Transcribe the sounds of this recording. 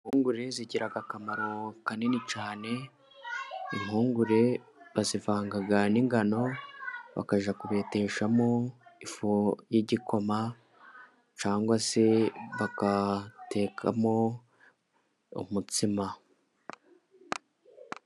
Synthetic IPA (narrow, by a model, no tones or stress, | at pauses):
imhuːŋɡuɾe̞ziɟiɾaɡakamaɾo̞kanenit͡ʃaːne̞ | imhuːŋɡuɾe̞ | βazivaːŋɡaɡaniŋɡano̞βa̰kaʒakuβe̞te̞ːʃamo̞ifojiɟikʰo̞ma | t͡ʃaːŋɡwase̞βakate̞ːkʰa̰mo̞ | ṵmutima